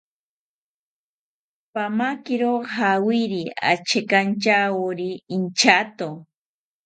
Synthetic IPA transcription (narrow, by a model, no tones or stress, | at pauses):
pamakɪɾoqxawiɾia̰t͡ʃekant͡ʃaoɾiːnt͡ʃat̪o